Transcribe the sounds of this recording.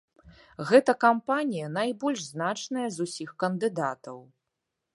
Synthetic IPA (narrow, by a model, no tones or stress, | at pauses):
ɣɛt̪ɐkampanʲijɐnajbɔlʲʂznat͡ʂnɐjɐzusʲixkɐnd̪ɨd̪at̪ɐw